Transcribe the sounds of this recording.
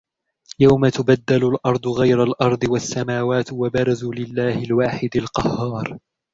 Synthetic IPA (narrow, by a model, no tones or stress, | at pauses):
jawmat̪ʊbad̪ːalʊlʔɑɾˤd̪ˤʊɣajɾalʔɑɾˤd̪ˤɨwasːamaːwaːt̪wabɑɾˤɑzuːlɪlːaːhɪlwaːħɪd̪alqɑhːɑːɾˤ